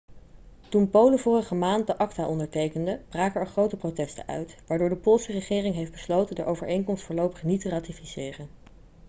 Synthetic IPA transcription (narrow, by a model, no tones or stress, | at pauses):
tunpowləvʊːrəχəmaːnt̚dəʔɑktaːʔɔndəɹtejkəndəb̥raːkəɹɛɹχrowtəprowtɛstə̰nʔœ̰ɥtʋaːɹdʊːɹdəpʊlˠsərəχɪːrɪŋɦejfdbəslowtəndəʔowvəɹʔejŋkɔmstfʊːɹlowpəχnitəraːtifisɪːrən